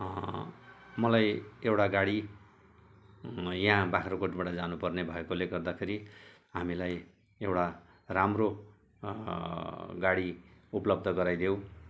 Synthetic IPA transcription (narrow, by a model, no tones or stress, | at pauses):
mʌlajewʈaɡaɽi | jãbakʰɾokoʈbaʈʌd͡zanupʌrnebʱʌekoleɡʌrd̪akʰeɾi | ɦamilaj | ewʈa | ramro | ɡaɽiuplʌbd̪ʱʌɡʌɾajd̪jew̃